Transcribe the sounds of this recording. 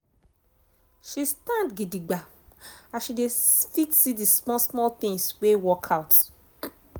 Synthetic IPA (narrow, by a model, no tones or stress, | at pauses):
ʃistãndɡidiɡ͡ba | aʃidefitsidismɔ̃smɔlt̪ĩŋswewɔkʰawt